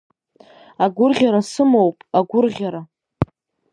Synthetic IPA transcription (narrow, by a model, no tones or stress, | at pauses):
aɡʷʊrʁʲaɾasɨmowpʼaɡʷʊrʁʲaɾa